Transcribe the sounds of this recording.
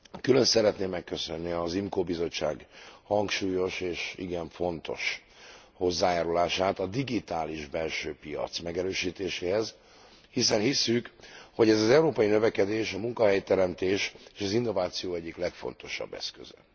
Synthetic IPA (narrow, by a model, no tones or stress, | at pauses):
kylø̞nsɛɾɛt̪neːmːɛkːø̞sønːiɒzimkoːbizo̞t͡ʃːa̰ːɡhɒŋkʃuːjo̞ʃeːʃḭɡɛɱfo̞nt̪o̞̰ʃ | ho̞zːaːjaːɾulaːʃaːt̪ɒd̪iɡit̪aːliʒbɛlʃøːpijɒ̰t̪smɛɡɛɾøːʃiːt̪eːʃeːɦɛz | hisɛnhisːykho̞ɟɛzɒzɛuɾoːpɒjinøvɛkɛd̪eːʃɒmuŋkɒɦɛjt̪ɛɾɛmt̪eːʃeːʃɒzinːo̞vaːt̪sijoːɛɟːiklɛkfo̞̰nt̪o̞ʃɒ̰bːɛ̰skø̰zɛ